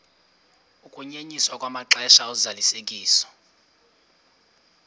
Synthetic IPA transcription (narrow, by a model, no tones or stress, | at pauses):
ukʼuɲeɲiswakʼwamaǁɛʃaɔzalisek̬ʼiːsɔ̥